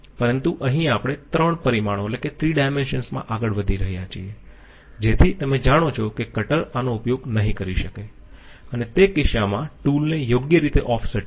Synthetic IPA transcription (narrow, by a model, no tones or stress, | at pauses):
pəɾənt̪uʔəɦĩapɽ̃et̪ɾəɳpəɾimaɽ̃õetleket̪ʰɾiɖajmenʃənsmã̰ʔaɡəɭʋəd̪ʱiɾəɦijat͡ʃʰḭe | d͡ʒet̪ʰit̪əmẽd͡ʒaɽ̃ot͡ʃʰokekəʈəɾanoʊpjoɡnəɦĩkəɾiʃəke | ənet̪ekɪʃamãʈulnejoɡjəɾit̪eʔɔfʰsəʈ